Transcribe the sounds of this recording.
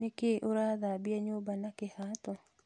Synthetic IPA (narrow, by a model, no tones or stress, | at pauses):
ekɪʔoɾaðabɪaɲobanakɪhat̪ɔ